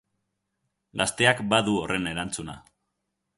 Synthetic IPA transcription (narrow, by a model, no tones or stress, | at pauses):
ɡast̪e̞akbaðuorʔe̞ne̞ɾant͡suna̰